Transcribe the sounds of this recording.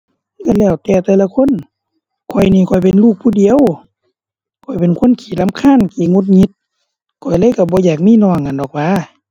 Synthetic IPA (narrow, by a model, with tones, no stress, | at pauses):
ka˧˨lɛː˧˩˨wt̪ɛː˧˩t̪ɛː˧˦la˧kʰo˧˥˨n | kʰɔ˨˧˩jniː˧˩˨kʰɔ˨˩jpe˨nluː˧˥˩k̚pʰuː˧˨di˧˨ə˨w | kʰɔ˧˩jpe˨nkʰo˧˥˨nkʰiː˨˦la˧˥˨mkʰaː˧˥˨nkiː˧˨˩ŋo˧˦t̪̚ɲi˧˦t̪̚ | kʰɔ˨˩jlɤː˧˥˨jka˧˩bɔː˧˦jaː˨˩k̚miː˧˥˨nɔː˧˩ŋkːa˨ndɔː˨˩k̚waː˧˥˨